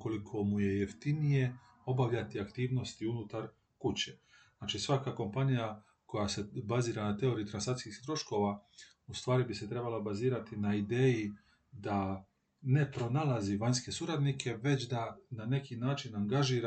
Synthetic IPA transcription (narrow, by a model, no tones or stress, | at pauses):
ko̞likʰo̞muje̞je̞ft̪inije̞ | o̞baʋʎat̪iakt̪iːʋno̞st̪iunut̪aɾ | kut͡ɕe̞ | naːt͡ʃisʋakako̞mpanija | ko̞jase̞baziːɾanat̪e̞o̞ɾiut̪ɾansat̪skixt̪ɾo̞ʃko̞ʋa | ust̪ʋaːɾibise̞t̪ɾe̞balˠabaziːɾat̪inaid̪e̞ːji | d̪a | ne̞pɾo̞nalˠaziʋaɲske̞suɾad̪nikʰe̞ʋe̞t͡ɕd̪anane̞kinaːt͡ʃinaŋɡaʒiːɾa